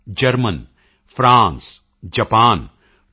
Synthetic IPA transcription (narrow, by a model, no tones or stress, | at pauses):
d͡ʒɐɾmən | fɾaːns | d͡ʒɐpaːn